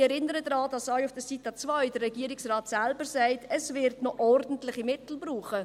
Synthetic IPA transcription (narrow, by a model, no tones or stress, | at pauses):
ɛɾɪnəɾədɾɑːdɑsɑʏʊfd̥əsitət͡svœʏdərrɛɡiːəɾɪksraːtsælbəɾsæɪtɛsvɪɾdnoʔɔrdn̩tlɪχimɪtl̩bruːχə